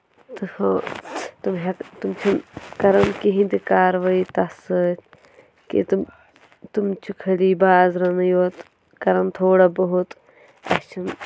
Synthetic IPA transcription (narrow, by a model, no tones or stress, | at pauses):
t̪ɨhot̪umɦɐkt̪umt͡ʃʰɐnkɐɾɐnkiɦĩnd̪ikaːɾʋɐit̪ɐsɨ | kḭt̪m | t̪umt͡ʃʰukʰɐliːbaːɐzɾɐnɐjoːt̪ | kɐɾɐnt̪ʰoːɽabɐɦut̪ | ɐ̰ht͡ʃʰɐn